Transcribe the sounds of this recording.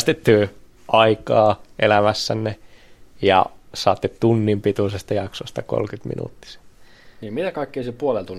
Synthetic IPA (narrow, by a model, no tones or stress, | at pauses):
st̪et̪ːyː | ʔɑikɑːʔelæmæsːænːejɑ̰sɑːt̪ːett̪unːimpit̪usest̪ɑjɑksost̪ɑko̰lkyt̪mḭnṵt̪ːi̥se̥ | niːmmit̪ækɑikːeisepuolelt̪un